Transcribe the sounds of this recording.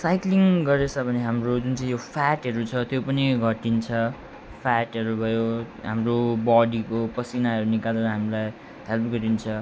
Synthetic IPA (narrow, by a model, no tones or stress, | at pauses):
sajkliŋɡʌɾet͡sʰʌbʱʌneɦamrod͡zunt͡sʌ̃ĩjopʰaʈɦʌɾut͡sʰʌt̪jopʌniɡʱʌʈint͡sʰʌ | pʰaʈɦʌɾubʱʌjo | ɦa̰mrobɔɽikopʌsinaɦʌɾunikaleɾʌɦamilaj | ɦelpʰɡʌɾint͡sʰʌ